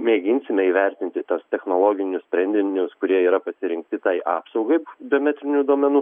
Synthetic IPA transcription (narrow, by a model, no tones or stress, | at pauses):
mʲeːɡʲɪnʲsʲɪmʲɛiːʋʲɛɾʲt̪ʲɪnʲt̪ʲɪt̪ɐst̪ʲɛxnoːlˠoːɡʲɪnʲʊsʲpʲɾʲɛnʲd̪ʲɪnʲʊskʊɾʲiɛiːɾɐpɐsʲɪɾʲɪŋk̚t̪ʲɪt̪ɐɪʔɑ̰ːpsɐʊɡɐɪbʲɪoːmʲɛt̪ʲɾʲɪnʲud̪oɔmʲɛnuː